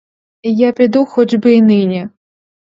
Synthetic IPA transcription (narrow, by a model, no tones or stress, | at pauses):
ijapʲid̪uxɔd͡ʒbɪnɪnʲɛ